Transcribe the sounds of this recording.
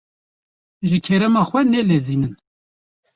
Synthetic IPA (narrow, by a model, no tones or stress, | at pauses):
ʒɨkʰɛɾɛmɑːxʷɛnɛleːziːnɨn